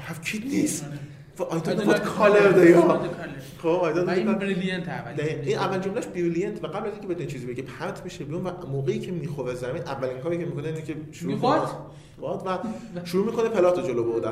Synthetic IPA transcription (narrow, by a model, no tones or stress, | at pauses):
hæfcʰiːd̪niːs | vʔɒjt̪ʰonebɔd̪kʰɒleɾd̪ejɒ | xoɒːjd̪ɒd̪d̪ekɔint̪d̪æiiːnʔævːælnd͡ʒomlæʃbiulijent̪ʰvæɡæblæziŋcʰebet̪ʰuint͡ʃʰizibeɟepʰæɾt̪ʰmiʃebijunvæmoːɣeiːcʰe̞miːxoɾezæmiːnʔævːæliŋkʰɒːɾiːcʰemikʰoneinikʲʰeʃuɾuk | bɒd̪væʃuɾuːmiːkʰo̞nepʰe̞lɒːt̪ʰod͡ʒoloboɾd̪æ